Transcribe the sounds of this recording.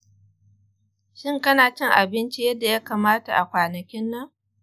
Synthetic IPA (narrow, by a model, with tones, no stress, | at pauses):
ʃɪ˦˨ŋkɐ˦naː˨t͡ʃɪ˦ŋʔa˨bɪ˦nt͡ʃi˦jɐ˦dːa˨jaː˦kaː˨maː˦ta̰˨ʔa˨kʷaː˨nɐ˨kʲɪ˦nːɐ˦ŋ